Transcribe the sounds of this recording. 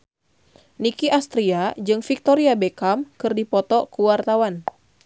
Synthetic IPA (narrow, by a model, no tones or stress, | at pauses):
nikiʔast̪ɾiad͡ʒɨŋfik̚t̪ɔɾiabekamkɨrdipɔt̪ɔkuwart̪awan